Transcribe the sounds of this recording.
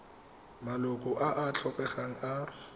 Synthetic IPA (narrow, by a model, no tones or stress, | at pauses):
malʊkʼʊʔaʔat͡ɬʰɔpʼɛχaŋ̩a